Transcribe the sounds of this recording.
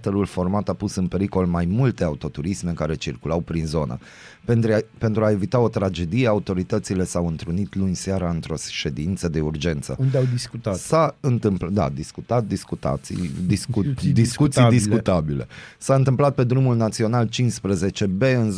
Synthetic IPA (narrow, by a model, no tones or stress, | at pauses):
t̪eɾulfo̞rmat̪apusɨnpe̞ɾiko̞lmajmult̪e̞aut̪o̞t̪uɾisme̞kaɾet͡ʃirkulawpɾinzo̞nə̰ | pe̞nt̪ɾuae̞vit̪ao̞t̪ɾad͡ʒe̞d̪ije̞aut̪o̞ɾit̪ət̪sile̞sawɨnt̪ɾunit̪luɲʲsaɾaɨnt̪ɾo̞sʃe̞d̪int̪səd̪e̞urd͡ʒe̞nt̪sə̰und̪eawd̪iskut̪asaɨnt̪ɨmpd̪a̰d̪iskut̪at̪̚d̪iskut̪a̰t̪sḭjd̪isud̪isskut̪sijd̪isskut̪abile̞̰saɨnt̪ɨmplat̪̚pe̞d̪ɾumulnat̪sio̞nalt͡ʃinspɾəze̞t͡ʃe̞be̞ɨnz